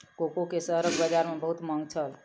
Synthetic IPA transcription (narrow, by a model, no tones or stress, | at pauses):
kokokesəɦɾəɡbəd͡ʒaɾmebəɦut̪məŋɡt͡ʃʰəl